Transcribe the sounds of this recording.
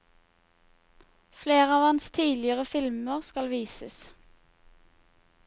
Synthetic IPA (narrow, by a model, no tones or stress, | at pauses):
fleːʁəɑːʋhɑnst̪ʰiːlɪəʁəfɪlməʁskɑlʋiːsəs